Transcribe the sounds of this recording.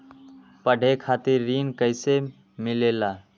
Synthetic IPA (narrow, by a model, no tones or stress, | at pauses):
pəɖ̤ʱekʰat̪iɾːinkəɪse | milela